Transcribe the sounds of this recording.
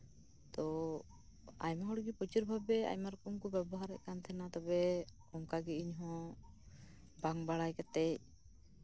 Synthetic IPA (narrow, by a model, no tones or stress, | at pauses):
t̪ɔ | a̰jmaɦɔɽɡipɔt͡ʃuɾbʱabɛa̰jmaɾkɔŋkɔbɛbɔɦaɾɛ̰ʔkant̪ʰɛnat̪ɔbɛ | ɔmkaɡiiɲɦɔ̃ | baŋbaɽajkat̪ɛc̚